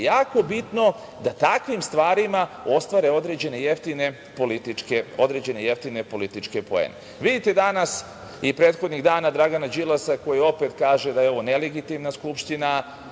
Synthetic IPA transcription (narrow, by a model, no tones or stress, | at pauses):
jaːko̞bit̪no̞ | d̪at̪akʋimst̪ʋaːɾimao̞st̪ʋaɾe̞o̞d̪ɾed͡ʑe̞nejeft̪ine | polit̪ikeo̞d̪ɾe̞d͡ʑe̞ne̞jeft̪ine̞po̞lit̪it͡ʃke̞po̞ḛne | ʋid̪it̪e̞d̪anas | ipɾeːt̪xo̞d̪niɣd̪aːnad̪ɾaɡanad͡ʑilˠasako̞jio̞pe̞t̪kaːʒe̞d̪ajeo̞ʋone̞leɡit̪imnaskupʃt̪ina